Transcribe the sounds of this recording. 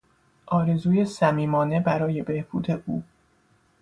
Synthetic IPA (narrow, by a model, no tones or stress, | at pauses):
ʔɒːɾe̞zuːje̞sæmiːmɒːne̞bæɾɒːje̞be̞hb̥uːd̪e̞ʔuː